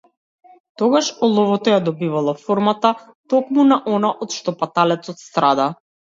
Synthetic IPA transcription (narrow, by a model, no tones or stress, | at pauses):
t̪ɔɡaʃɔlˠɔvɔt̪ɔjad̪ɔbivalˠafɔɾmat̪a | t̪ɔkmunaʔɔnaʔɔt̪ʃt̪ɔpat̪alɛt̪sɔt̪st̪ɾad̪a